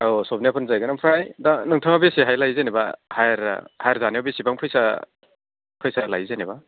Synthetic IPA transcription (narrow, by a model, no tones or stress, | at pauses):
osɔbniapʰɯnzajɡɯnampʰɾajdanɯŋtʰɯŋabesiɦajlajzenibahajɾ̰hajɾzaniabesibaŋpʰɯjsa | pʰɯjsalajzaneba